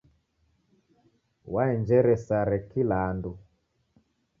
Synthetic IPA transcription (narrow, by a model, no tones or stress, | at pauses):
waɛnd͡ʒɛɾɛsaɾɛkilaːndu